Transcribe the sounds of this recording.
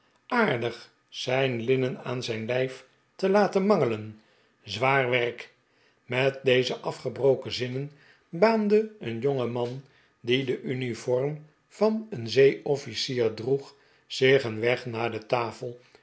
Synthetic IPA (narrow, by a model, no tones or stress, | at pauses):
ʔaːɹdəχ | sɛjnlɪnənaːnzɛjnlɛjf | təlaːtənmɑŋələn | zʋaːɹʋɛrk | mɛt̚dejzəʔɑfχəbrowkəzɪnən | baːndəənjoŋəmɑn | didəʔynifɔrm | v̥ɑnənzejɔfisiːɹdruχ | z̥ɪχənʋɛχnaːɹdətaːfəlˠ